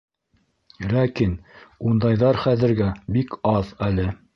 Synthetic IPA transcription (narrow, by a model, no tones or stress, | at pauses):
lækinund̪ɑjðɑɾχæðɘ̆ɾɡæbikɑðælɘ